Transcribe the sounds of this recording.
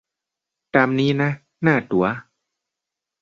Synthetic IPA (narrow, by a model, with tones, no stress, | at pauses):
t̪aː˧mniː˦˥na˦˥ | naː˥˩t̪u˩˦ɐ